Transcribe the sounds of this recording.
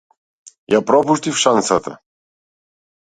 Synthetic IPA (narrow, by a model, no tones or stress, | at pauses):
japɾɔpuʃt̪ʲifʃansat̪a̰